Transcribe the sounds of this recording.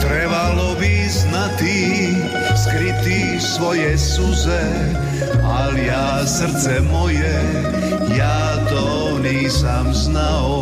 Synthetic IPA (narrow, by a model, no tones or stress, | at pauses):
t̪ɾɛʋalɔbiznat̪i | skɾit̪i | fsʋɔjɛsuzɛ | alja | sr̩t̪t͡sɛmɔjɛ | ja | d̪ɔ | wni | samznaɔ